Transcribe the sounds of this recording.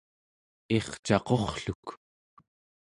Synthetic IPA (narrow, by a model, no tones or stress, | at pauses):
e̞χt͡ʃɑqo̞χɬuk